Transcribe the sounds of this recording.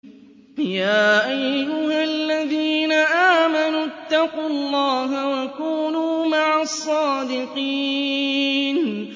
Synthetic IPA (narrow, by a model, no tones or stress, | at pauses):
jaːʔajːʊhalːaðiːnaʔaːmanuːt̪ːɑquːɑlˤːɑːɦawakuːnuːmaʕasˤːɑːd̪ɪqi | n